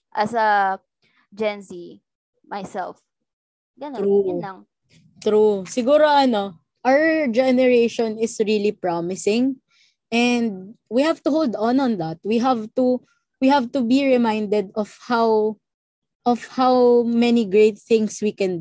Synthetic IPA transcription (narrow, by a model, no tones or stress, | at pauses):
ʔɐsɐ | d͡ʒɛnsi | majsɛ̰lf | ɡɐnounɐŋ | t̪ɾusɪɡuːɾoʔɐno | ʔawd͡ʒɛnɛɹejʃɔ̃nɪsɹilipɹɔmɪsɪ̃ŋ | ʔɛnd̪̚wihavt̪ʊɦowld̪ɔ̃nɔ̃nd̪ɐt̪̚wiɦavt̪u | wihævt̪ubiɹɪmãjnd̪ɛd̪ɔfhaw | ʔɔfhawmɛniɡɹejt̪̚θɪ̃ŋswikɛ̃n